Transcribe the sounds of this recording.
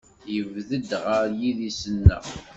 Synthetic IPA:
jəvðəd̪ʁəɾjiðisənːæ̰

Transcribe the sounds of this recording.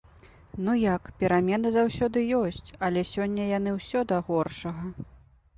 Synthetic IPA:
nujakpʲɛɾamʲɛnɨzawsʲɔd̪ɨjɔsʲt͡sʲɐlʲɛsʲɔnʲːɐjan̪ɨwsʲɔd̪ɐɣɔrʂɐɣɐ

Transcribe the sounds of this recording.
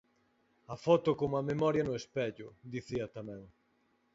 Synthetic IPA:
ɐfɔt̪ʊkoŋɐmemɔɾjɐnʊespɛʎʊd̪iθiɐt̪amɛ̃ŋ

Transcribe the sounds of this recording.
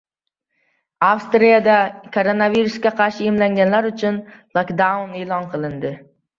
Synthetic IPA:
afst̪ɾijad̪akʰo̞ɾonaviɾusɡʲaqʰɑɾʃɪemlaŋɡʲanlaɾʊt͡ʃʰʊnlˠokd̪aneːlˠɒnqʰɨlˠɪnd̪ɪ

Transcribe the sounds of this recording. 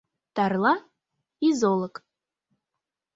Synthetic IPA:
d̥arla | izolˠakʼ

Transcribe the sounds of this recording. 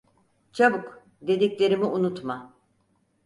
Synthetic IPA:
t͡ʃʰabuk | d̪e̞d̪iclʲe̞ɾimiʔunut̪ma

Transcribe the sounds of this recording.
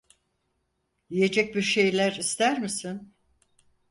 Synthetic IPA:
ije̞d͡ʒɛc̚biɾʃe̞jlʲæɾist̪ʰæɾmisin

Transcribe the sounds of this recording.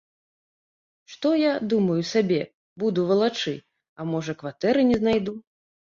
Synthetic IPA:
ʂt̪ɔjad̪umɐjusabʲɛ | bud̪uvɐlˠat͡ʂɨ | ɐmɔʐɐkvat̪ɛɾɨnʲɛznajd̪u

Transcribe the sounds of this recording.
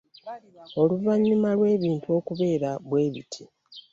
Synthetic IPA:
o̞luvaɲːumalwe̞ːβiːntuo̞kuβe̞ːɾaβwe̞ːβḭtʰi

